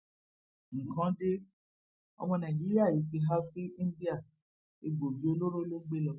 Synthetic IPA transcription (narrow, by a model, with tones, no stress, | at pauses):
ŋ̩˨kã˨˦de˦ | ɔ̰˧mɔ̃˧nã˨d͡ʒi˦ɾi˦a˦˨ji˨˦ti˧ɦa˦fi˦ĩ˦n˦di˦a˦˨ | e˧ɡ͡bo˨bi˨˦o˦lo˦ɾo˦lo˦ɡ͡be˦lɔ˧˦